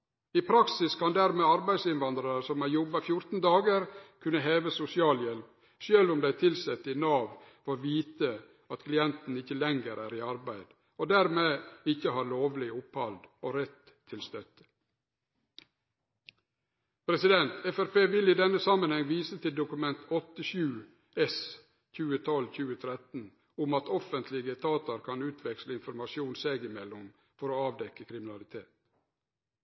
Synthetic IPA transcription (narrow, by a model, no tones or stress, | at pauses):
iːpʰɾɑksɪskʰɑnd̪æɾmeːɑɾbæɪd̪sɪnʋɑnd̪ɾɑɾəsɔmæjɔbɑfjʊɾt̪n̩d̪ɑːɡəɾkʰʉnːəɦeːʋəsʊsɪɑːljɛl | ʃøːlʊmd̪æɪt̪ʰɪlsɛt̪ːɪnɑːʋfɔʋiːt̪ə | ɑt̪kʰlɪɛnt̪n̩ɪçəlɛŋɡəɾʔæːɾiːɑɾbæɪd̪̥ | oːd̪æːɾmeːɪçəhɑːɾloːʋlɪʊphɑld̪oːɾɛt̪ʰːɪlst̪œt̪ə̥ | pʰɾɛsɪd̪ɛnt̪ʰɛfæɾpeːʋɪliːd̪ɛnːəsɑmənhɛŋʋiːsət̪ʰɪld̪ʊkʉmɛnt̪ʰɔt̪əʃʉː | ɛs | c͡çʉːət̪ʰɔlçʉːət̪ʰɾɛt̪n̩ | ʊmɑt̪ɔfənt̪ʰlɪɡət̪ʰɑːt̪əɾkʰɑnʉːt̪ʰʋɛksləɪnfɔɾmɑʃjuːnseɡɪmɛlːʊm | fɔɾoːɑːʋd̪ɛkːəkʰɾɪmɪnɑlɪt̪ʰeːt̪